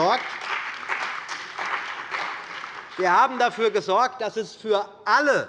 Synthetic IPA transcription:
ɔɐk̚t | viːɐhaːbm̩dafyːɐɡəzɔɐk̚t̚d̥asɛsfyːɐ | ʔalə

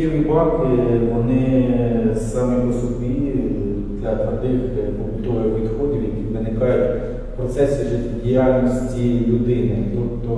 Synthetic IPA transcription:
ɪmʊbɑkɪʋɔnɪ | sɑmɪpɔsɔbʲi | d̪lʲɐt̪ɐd̪ɪxkʊlʲt̪uɾɪʋʲid̪xɔdʲiwjɐkʲiʋɪnɪkɑjʊtʲ | pɾɔt̪sɛsʲiʒɛtʲdʲijalʲnɔsʲtʲilʲʊd̪ɪnɪt̪ut̪ːɔ

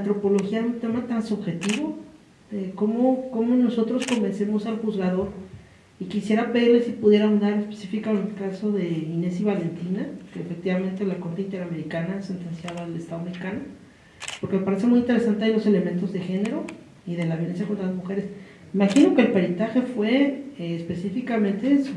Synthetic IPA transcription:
ant̪ɾo̞po̞lo̞xiaeunt̪e̞mat̪ansuβxe̞t̪iβo̞ | eko̞moko̞mono̞so̞t̪ɾo̞sko̞mbe̞nse̞mo̞salxuzɣaðo̞ɾ | ikisje̞ɾaβeɾlesipuðje̞ɾaund̪aɾnespesifikaenelkasoðe̞ine̞siβale̞nt̪inakeːfek̚t̪iβamẽ̞nt̪elako̞ɾt̪eint̪e̞ɾame̞ɾikanaese̞nt̪ensjaðaːlest̪aðoameɾikano̞ | poɾkemepaɾe̞s̬emujint̪eɾe̞sant̪eajlo̞se̞le̞ment̪o̞zðe̞xe̞ne̞ɾo̞ | iðe̞laβjole̞nsjako̞nlazmuxe̞ɾe̞s | imaxino̞keːlpe̞ɾint̪axe̞fwe̞ːspe̞sifikamẽ̞nt̪es

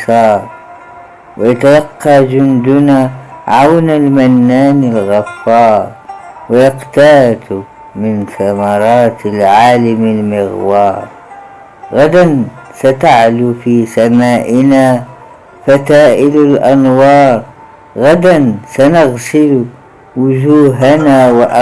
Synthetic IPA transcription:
sɑːɾˤ | wɪjat̪alɑqːɑd͡ʒʊnd̪ʊnaʕawnalmanːaːnɪlɣafːɑːɾˤ | wɪjaqt̪aːt̪ | mɪnθamɑɾˤɑːt̪ɪlʕaːlamɪlmɪɣwɑːɾˤ | ɣad̪an | sat̪aʕlufisamaːʔɪna | fat̪aːʔɪlalʔanwɑːɾˤ | ɣad̪ansanaɣsɪl | wʊd͡ʒuːɦanawɪʔ

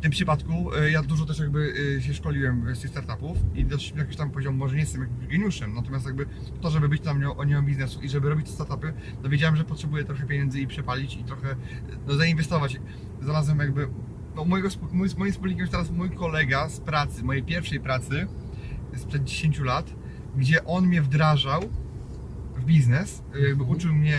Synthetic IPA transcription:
ft̪ɪmpʂɨpat̪kujad̪uʐɔt̪̬ɛʂjaɡ̚bɘɕɛʂkɔlʲiwɛmst̪ɨxst̪aɾt̪apufid̪ɔʂmijak̬ʲiɕt̪ampɔʑɔmumɔʐɛɲɛst̪ɛmjaɡ̚bɘɡɛɲuʂɛmnat̪ɔmʲjast̪jaɡ̚bɘ | t̪ɔʐɛbɘbɘt͡ɕnamɲɛʔɔɲɛmambʲiznɛsuʔiʐɛbɘɾɔbʲit͡ɕ̚t̪ɛst̪aɾt̪apɘ | t̪ɔvʲjed͡ʑawɛmʐɛpɔtʂɛbujɛt̪ɾɔxɛpʲjeɲɛnd̪zɨipʂɛpalʲit͡ɕit̪ɾɔxɛ | nɔzainvɛst̪ɔvat͡ɕ | zaɾazwɛmjaɡ̚bɘ | nɔmɔjɛɡɔspumɔjimsmɔjimspulɲikʲɛmjst̪ɛɾasmujkɔlɛɡaspɾat̪sɘmɔjɛejpʲjɛɾfʂɛjpɾat̪sɘ | spʂɛd̪̚d͡ʑeɕeɲʲt͡ɕulat̪ | ɡd͡ʑɛʔɔnmʲɲɛvd̪ɾaʐaw | vbʲiznɛs | ut͡ʂɘwmɲɛ

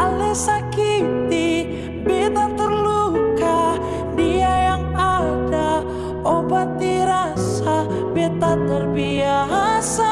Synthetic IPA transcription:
alesakit̪i | bet̪at̪ərluka | diajaŋada | obat̪ːiɾasa | bet̪at̪ərbiasa

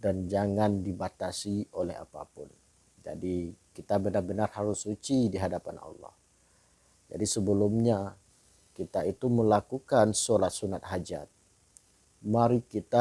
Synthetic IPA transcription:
dand͡ʒaŋandibat̪asiolɛ̰ɦa̰pa̰pʊn | d͡ʒa̰dikit̪abənarbənarhaɾʊsːut͡ʃidiɦadapanɑ̰lːɔ̰h | d͡ʒa̰disəbəlumɲa | kit̪ait̪uməlakukansolat̪̚sunat̪̚ɦad͡ʒa̰t̪̚ | maɾikit̪a

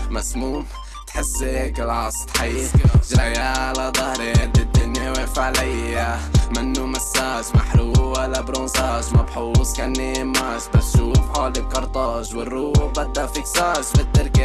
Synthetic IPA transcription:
masmuːm | t̪ħɪsːekɪlʕɑsˤt̪ħiːʒɾajaʕalad̪ˤɑhɾed̪ɪd̪ːʊnjaweːfaʕlajamɪnːumasːaʒmaħɾuːalabɾõːzaːʒmabħuːsˤkanːeːmːaʒbatʃuːfħoːlɪlkɑɾˤt̪ˤɑːʒwɪrːuːbad̪ːafiksaːʒbɪd̪ːɪɾka

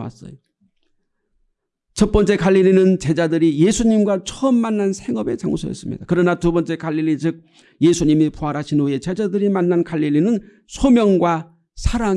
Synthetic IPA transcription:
a̰s͈ʌ̰jo | t͡ɕʰʌt̚p͈ʌnt͡ɕ͈e̞kaʎːiɾinɯnt͡ɕe̞d͡ʑadɯɾije̞sʰuɲimɡwat͡ɕʰʌʌmːanːansʰe̞ŋʌbe̞t͡ɕa̰ŋsʰo̰jʌ̰s͈ɯmɲḭd̥akɯɾʌnatubʌnt͡ɕ͈e̞kaʎːiɾit͡ɕɯk̚ | je̞sʰuɲimipʰuɦaɾɦaɕʰinuie̞t͡ɕe̞d͡ʑadɯɾimanːankaʎːiʎːinɯn | sʰomjʌŋɡwa | sʰaɾa

